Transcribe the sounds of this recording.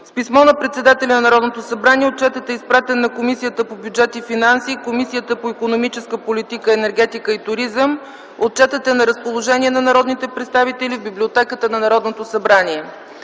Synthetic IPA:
spismɔnɐpɾɛt̪sɛd̪at̪ɛlʲɐnɐnɐɾɔd̪not̪osɐbɾaniɛot̪̚t͡ʃɛt̪ət̪ɛispɾat̪ɛnːɐkomisijət̪əpobʲjud͡ʒɛt̪ifinansikomisijət̪əpoikonomit͡ʃɛskəpolʲit̪ikəɛnɛɾɡɛt̪ikəit̪ʊɾizəm | ot̪̚t͡ʃɛt̪ət̪ɛnɐɾəspolˠoʒɛnʲiɛnɐnɐɾɔd̪nit̪ɛpɾɛt̪st̪avit̪ɛlivbiblʲiot̪ɛkət̪ənɐnɐɾɔd̪not̪osɐbɾaniɛ

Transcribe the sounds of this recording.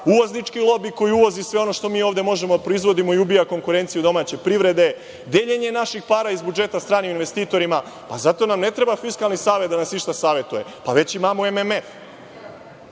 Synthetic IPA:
uʋoznit͡ʃkilˠo̞biko̞jiuʋo̞zisʋe̞o̞no̞ʃt̪omiːo̞ːʋd̪e̞mo̞ʒemod̪apɾoizʋo̞d̪imo̞iubijako̞ŋkuɾe̞nt̪sijud̪o̞maːt͡ɕe̞pɾiʋɾe̞d̪e̞ | d̪eʎe̞ɲenaʃixpaːɾaizbud͡ʒe̞t̪ast̪ɾaːniuinʋe̞st̪iːt̪o̞ɾima | pazat̪o̞namne̞t̪ɾe̞bafiskalˠnisaːʋet̪d̪anasniʃt̪asaːʋje̞t̪uje̞paʋe̞t͡ɕimamoememef

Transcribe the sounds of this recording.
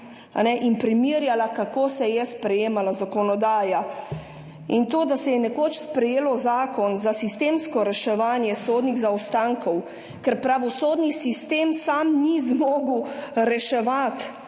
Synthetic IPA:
a̰nɛʔinpɾimiːɾjalakakoːsɛjɛspɾɛjeːmalazakɔnɔd̪aːja | int̪oːd̪asɛjɛnɛkoːt͡ʃspɾɛjeːlɔzaːkɔnzasist̪emskɔɾɛʃɛʋaːnjɛsoːd̪niɣzawst̪aŋkɔw | kɛɾpɾaʋɔsoːd̪nisist̪eːmsamnizmoːɡuɾɛʃɛʋat̪

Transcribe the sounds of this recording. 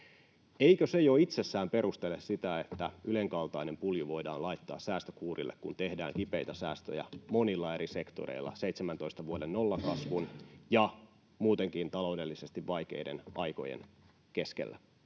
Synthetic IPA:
eikøse̞joit̪sesːæːmpeɾust̪elessit̪æet̪ːæyleŋkɑlt̪ɑinempuljuʋo̞idɑ̰ːnlɑit̪ːɑ̰ːssæːst̪økuːrḭlːḛkkunt̪e̞hdæ̰ːŋkipeit̪æsæːst̪ø̰jæ̰mo̞nilːɑe̞ɾise̞kt̪o̰ɾḛilːɑ̰seit̪semænt̪o̞ist̪ɑʋuodennolːɑkɑsʋunjɑ | muːt̪eŋkint̪ɑlo̞udelːisest̪iʋʋɑjk̟e̞̰ide̞̰nɑjko̞̰jḛn | ke̞skḛlːæ̰

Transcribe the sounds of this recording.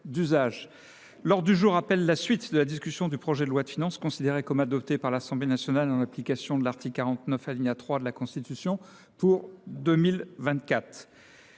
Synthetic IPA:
d̪yzaʒ | lɔʁd̪yʒuʁapɛlːasɥit̪d̪əlad̪iskʲysjɔ̃d̪ypχɔʒɛd̪əlwad̪əfinɑ̃skɔ̃sid̪eʁekɔmad̪ɔpt̪epaʁlasɑ̃blenasjɔnalɑ̃naplikasjɔ̃d̪əlaʁt̪ikkːaʁɑ̃t̪nœfaliɲat̪χwad̪əlakɔ̃st̪it̪ysjɔ̃ | puʁd̪ømilvɛ̃t̪̚kʲat̪χ

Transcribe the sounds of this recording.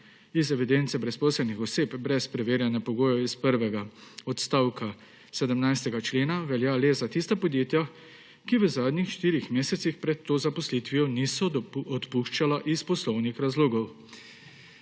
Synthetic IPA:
izɛʋid̪ent̪sɛbɾɛspɔːsɛlnixɔseːpbɾɛspɾɛʋeːɾjanɛpɔɡoːjɛispəɾʋɛɡaɔt̪st̪aːwka | sɛd̪əmnajst̪ɛɡat͡ʃleːnaʋɛljaːleːzat̪ist̪apɔd̪jeːt̪ja | kiʋəzaːd̪nixʃt̪iːɾixmeːsɛt̪sixpɾɛt̪ːoːzapɔslit̪ʋijɔnisɔɔt̪puʃt͡ʃalaʔispɔslɔwnixɾazloːɡɔw

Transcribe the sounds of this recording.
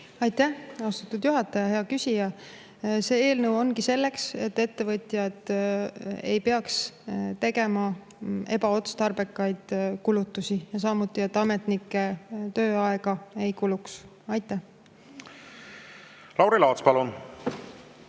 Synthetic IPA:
ɑjt̪ːæhɑst̪ut̪ːud̪̥juɦɑt̪ːˑɑjɑɦe̞ɑkysʲijɑ | se̞ːe̞ːlnɤwo̞nkise̞lːe̞kse̞t̪ːe̞t̪ːe̞vɤt̪ʲˑjɑd̪̥ | e̞̰jpe̞ɑkst̪e̞ɡe̞mɑ | e̞bɑo̞t̪st̪ɑrb̥ekːˑɑjd̪̥kulut̪ːˑusijɑsɑːmut̪ːˑie̞t̪ːˑɑme̞t̪nikːˑe̞t̪ø̞ːɑeɡ̥ɑe̞jkuluks | ɑjt̪ːˑæh | lɑwɾilɑt̪spɑlun

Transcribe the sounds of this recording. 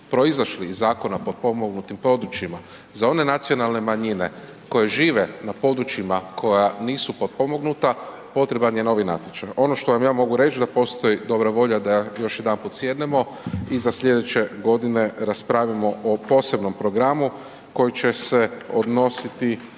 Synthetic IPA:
pɾo̞izaʃlizːaːko̞napo̞d̪̚po̞moɡnut̪impɾo̞d̪ɾut͡ʃima | zao̞ne̞nat̪sio̞nalˠne̞maɲine̞̰ | ko̞je̞ʒiːʋenapo̞d̪ɾut͡ʃimakʰo̞janiːsupo̞d̪̚po̞mo̞ɡnut̪a | po̞t̪ɾe̞banjeno̞ʋina̰t̪it͡ʃajʔo̞no̞ʃt̪o̞ʋamjaːmo̞ɡuɾe̞t͡ʃd̪apo̞st̪o̞jid̪o̞bɾaʋo̞ʎad̪ajo̞ʃjed̪anpot̪sje̞d̪nemo̞ | izasʎʲe̞d̪et͡ʃe̞ɡo̞d̪ine̞ɾaspɾaʋimo̞ʔopo̞ːse̞bno̞mpɾo̞ɡɾamu | ko̞jit͡ʃe̞se̞o̞d̪no̞sit̪i

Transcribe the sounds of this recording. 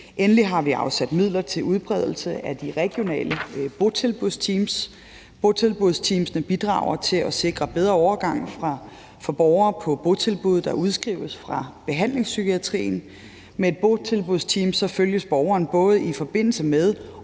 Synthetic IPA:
ʔenliɦɑ̈ʋiɑ̈ʊsæd̥mið̞̰ˠlɐt͡sʰe̝lʔuð̞ˠb̥ʁɛð̞̰ˠl̩səʔæd̥iʁɛɡ̥jo̝nɛ̰ːləb̥o̝t͡sʰe̝lb̥uðˠst͡sʰiːms | b̥o̝t͡sʰe̝lb̥uð̞̰ˠst͡sʰimsnəb̥id̥ʁɑ̈ʊ̰ɐt͡sʰe̝lɒse̝ɡ̥ʁɐb̥eð̞ˠʁɐɒʊɐɡ̥ɑ̈ŋ̰fʁɑ̈ | fɒ̽b̥ɒʊɐːpʰɒ̽b̥o̝t͡sʰe̝lb̥uðˠd̥ɑ̈ʔuð̞ˠsɡ̥ʁḭʊəsfʁɑ̈b̥e̝ɦæn̰le̝ŋsːykʰiæt͡sʰʁḭːn̩ | mee̝d̥̚b̥o̝t͡sʰe̝lb̥uðˠst͡sʰiːmsɒ̽føljəsb̥ɒʊɐːnb̥ɔ̽ːð̞̩ˠifɒ̽b̥e̝n̰l̩səmeðˠ

